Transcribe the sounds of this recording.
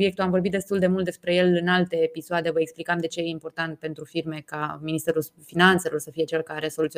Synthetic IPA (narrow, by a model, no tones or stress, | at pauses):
je̞k̚t̪uamvo̞rbit̪̚d̪e̞st̪uld̪e̞mult̪̚d̪espɾe̞je̞lɨnalt̪e̞ːpisoad̪e̞vəeksplikamd̪e̞t͡ʃe̞jeimpo̞rt̪ant̪̚pe̞nt̪ɾufirme̞kaminist̪eɾul | finant̪se̞lo̞rsəfije̞t͡ʃelkaɾeso̞lut̪si